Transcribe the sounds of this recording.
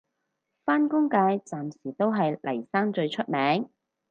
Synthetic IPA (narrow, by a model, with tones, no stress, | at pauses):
faː˥nkʊ˥ŋkaː˨˧jt͡saː˨msiː˨˩t̪o˥wɦɐ˨jlʔɐ˨˩jsaː˥ŋt͡ʃɵ˧ɥt͡ʃʰɵ˥t̚mɛː˨˥ŋ